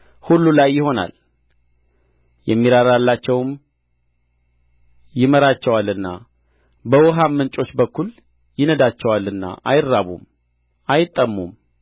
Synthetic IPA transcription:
hulːulajːɪho̞na̰l | jɛmːiɾaɾalːat͡ʃːɛwm | jɪməɾat͡ʃːɛwalɨnːa̰ | bəwɔɦamːɨnt͡ʃʼo̞t͡ʃːbəkːul | jɪnəd̪at͡ʃːɛwalːɨnːa̰ʔajɪɾːaβṵm | ajɪt̪ʼːəmːum

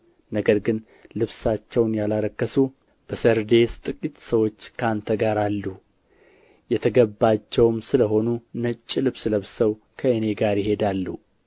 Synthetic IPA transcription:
nəɡəɾɡɨn | lɨβsat͡ʃːɛwnjalaɾəkːəsu | b̥əsəɾd̪e̞st̪ʼɨkʼit̪səwo̞t͡ʃːkʰant̪ʰəɡaɾalːu | jɛt̪ʰəɡəbːat͡ʃːɛwmsɨləɦo̞nunət͡ʃʼːilɨβsləβsəw | kʰəɨne̞ɡaɾjɪɦe̞d̪alːu

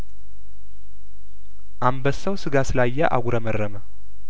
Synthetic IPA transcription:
ʔambəsəwsɨɡasɨlajːaʔa̰ɡʷuɾəmərːəmə

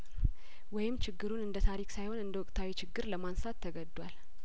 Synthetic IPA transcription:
wɔjɪmːt͡ʃʰɪɡːɨɾunɨnd̪ət̪ʰaɾikʼsajho̞nɨnd̪əwɔkʼt̪ʰawit͡ʃʰɪɡːɨɾləmansat̪ʰːəɡəd̪ːwal

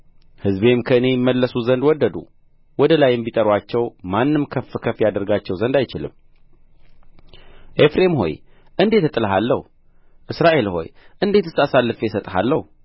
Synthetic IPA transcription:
hɨzbe̞mkʰəɨne̞jɪmːəlːəsuzənd̪wɔd̪ːəd̪ṵ | wɔd̪əlajɪmbit̪ʼəɾwat͡ʃːɛwmanːɨmkʰəfːkʰəfjad̪əɾɡat͡ʃːɛwzənd̪ajt͡ʃɪlɨ̰m | ʔefɾe̞mho̞̰j | ʔɨnd̪e̞t̪ɨt̪ʼːɨlɦalːəhu | ʔɨsɾaʔe̞lho̞̰jʔɨnd̪e̞t̪ɨsasalːɨfesət̪ʼɦa̰lːəhu

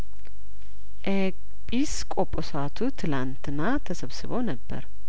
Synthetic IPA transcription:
ʔek | pʼiskʼopʼːosat̪ʰut̪ʰɨlant̪ʰɨnːat̪ʰəsəβsɨβownəbːə̰ɾ

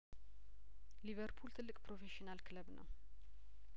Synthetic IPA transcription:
livəɾpʰult̪ʰɨlːɨkʼpɾo̞feʃinalkʰɨləbnə̰w

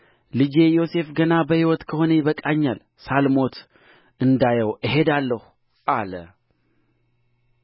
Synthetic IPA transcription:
lɨd͡ʒe̞jo̞se̞fɡənabəhiwɔt̪kʰəho̞nejβəkʼaɲːal | salmo̞t̪ | ɨnd̪ajəwɨɦe̞d̪alːəhu | ʔalə

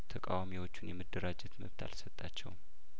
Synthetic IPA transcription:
t̪ʰəkʼa̰wamiwo̞t͡ʃːunjɛməd̪ːəɾad͡ʒɛt̪məβt̪ʰa̰lsət̪ʼːat͡ʃːɛ̰w

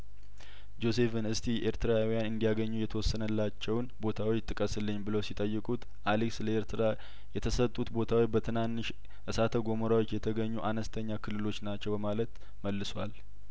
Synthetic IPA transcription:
d͡ʒo̞se̞fɨnɨst̪ʰiʔeɾt̪ʰɨɾawijanɨnd̪ijaɡəɲːujɛt̪ʰəwɔsːənəlːat͡ʃːɛwnbo̞t̪ʰawt͡ʃt̪ʼːɨkʼəsɨlːɨɲːbɨlosit̪ʼəjːɨkʼut̪ | ʔaliksləeɾt̪ʰɾa | jɛt̪ʰəsət̪ʼːut̪bo̞t̪ʰawibət̪ʰɨnanːɨʃ | ʔɨsat̪ʰəɡo̞məɾawot͡ʃːjɛt̪ʰəɡəɲːuʔanəst̪ʰəɲːakʰɨlːɨlo̞t͡ʃːnat͡ʃːɛwbəmalət̪ | məlːɨswal

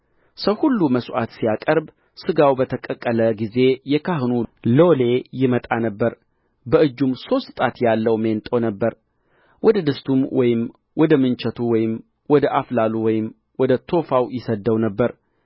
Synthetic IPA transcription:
səwhulːuməsʔa̰t̪sijakʼəɾb | sɨɡawbət̪ʰəkʼəkʼːələɡize̞jɛkʰahɨnulo̞le̞jɪmət̪ʼanəbːəɾ | bəʔɨd͡ʒːumso̞st̪t̪ʼat̪jalːəwment̪ʼəwnəbːəɾ | wɔd̪əd̪ɨst̪ʰumwɔjɪm | wɔd̪əmɨnt͡ʃət̪ʰuwɔjɪm | wɔd̪əʔaflaluwɔjɪm | wɔd̪ət̪ʰo̞fawjɪsəd̪ːəwnəbːəɾ

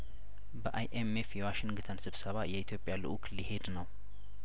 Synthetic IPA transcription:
bəʔajʔemefjɛwaʃɪnɡɨt̪ʰənsɨβsəβajɛit̪ʰjo̞pʼjalɨ̰ʔukʰlihe̞d̪nəw

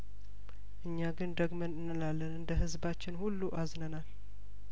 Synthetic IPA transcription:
ʔɨɲːaɡɨnd̪əɡmənɨnːɨlalːənɨnd̪əɦɨzbat͡ʃːɪnhulːuʔaznənal

